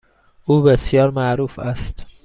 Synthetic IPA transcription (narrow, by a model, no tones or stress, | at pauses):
ʔuːbesjɒːɾmæʔɾuːfæst̪